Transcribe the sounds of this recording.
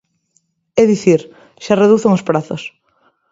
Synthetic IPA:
ɛðiθiɾ | ʃareðuθeŋospɾaθos

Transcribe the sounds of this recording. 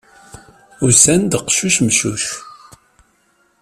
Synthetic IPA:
ʊsænd̪əqʃuʃmʃṵʃ

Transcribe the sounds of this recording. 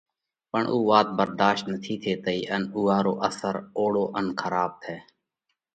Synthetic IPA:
pəɳʔuːʋaːt̪̚bəɾd̪aːʃt̪nət̪ʰiːt̪ʰeːt̪əiːʔənuːaːɾoːʔəsəɾoːɽoːʔənkʰəɾaːb̚t̪ʰeː

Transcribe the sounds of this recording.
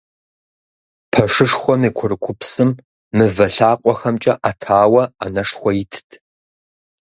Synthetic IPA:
pʰɐʂɨʂxʷɔmiːkʷʰʊrɨkʷʰʊpsɨmː | ɨvɐɬaːqʷʼɔxɐmt͡ʃʼɐʔatʰaːwɐa̰nɐʂxʷɔjɪtʰɨ̥tʰ

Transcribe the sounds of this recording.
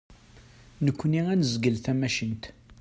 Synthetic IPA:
nəkʷːniænəzɡəlθæmæʃənt̪

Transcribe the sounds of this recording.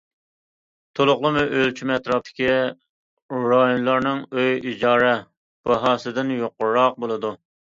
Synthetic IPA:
t̪ʰolˠʊqlˠəmʊʔølt͡ʃʰimɛt̪ɾɑp̚t̪ʰɪ̥kʲi | ɾɑjonlˠɑɾnɨŋøjid͡ʒɑːɾɛ | b̥ɑɦɑːsɨd̪ɪnjoqʊɾɾːɑq̚bolˠɨd̪u

